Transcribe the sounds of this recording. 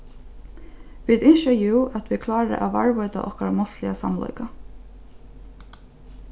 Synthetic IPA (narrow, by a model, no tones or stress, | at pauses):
ʋid̪ɪnʃɔjuːʔat̪ʰʋɪkʰlɑːɾə̰ʔaʋa̰ɹʋɔʏt̪a̰ʔɔhkaɾmɔslɪasa̰mlɔ̰ʏka